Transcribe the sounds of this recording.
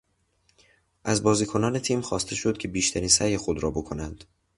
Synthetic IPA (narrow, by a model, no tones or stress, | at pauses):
ʔæzbɒːziːkʰo̞nɒːne̞t̪ʰiːmxɒːst̪ʰe̞ʃo̞d̪̚cʲʰe̞biːʃt̪ʰæɾiːnsæjexo̞d̪ɾɒːbo̞kʰo̞nænd̪̥